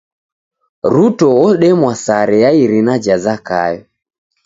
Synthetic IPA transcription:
ɾutɔɔɗɛmwasaɾɛjaiɾinad͡ʒazaka̰jɔ

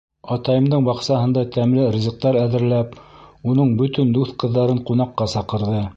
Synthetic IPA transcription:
ɑt̪ɑjɤ̆md̪ɤɴbɑqsɑɦɤ̆nd̪ɑt̪æmlɘɾʲizɤ̆q̚t̪ɑɾæðɘ̆ɾlæpunɤɴbɵ̆t̪ɵnd̪uθqɤ̆ðːɑɾɤɴqunɑqːɑsɑqɤ̆ɾðɤ

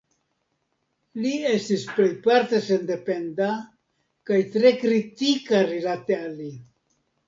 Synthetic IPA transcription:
lie̞stisple̞jpaɾtese̞nde̞pe̞nda | kajtɾe̞kɾitikaɾilatealːi

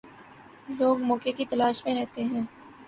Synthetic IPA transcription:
loːɡmɔːkekit̪ɐlaːʃmẽɾɛɦt̪eɦɛ̃ː

